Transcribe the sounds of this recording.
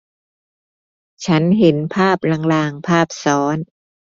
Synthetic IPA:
t͡ɕʰa˦˥nɦe˩˦npʰaː˥˩p̚la˧ŋlaː˧ŋpʰaː˥˩p̚sɔː˦˥n

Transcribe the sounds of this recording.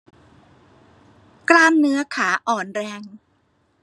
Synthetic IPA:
klaː˥˩nːɯ˦˥ɐkʰaː˩˦ʔɔː˨˩nɾɛː˧ŋ

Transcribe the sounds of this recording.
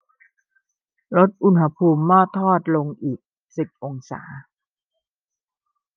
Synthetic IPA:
lo˦˥t̪̚ʔu˧nha˧pʰuː˧mːɔː˥˩t̪ʰːɔː˥˩t̪̚lo˧ŋʔiː˨˩k̚ | si˨˩t̚ʔo˧ŋsa̰ː˩˦

